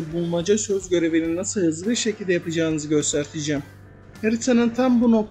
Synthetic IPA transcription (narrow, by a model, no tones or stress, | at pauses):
bulˠmad͡ʒasøzɟø̞ɾe̞vininːasɯlˠhɯzɯiɾʃe̞cʰilʲd̪ɛjapad͡ʒaːnɯzɯɟø̞st̪ʰæɾt̪ʰid͡ʒɛːm | heɾit̪ʰanɯnt̪ʰambuno̞k̚